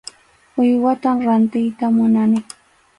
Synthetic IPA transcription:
ʊjwat̪amɾant̪ɪjt̪amʊnanɪ

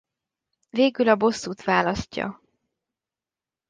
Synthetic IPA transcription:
veːɡylɒbo̞sːuːt̪ʋaːlɒscːɒ̰

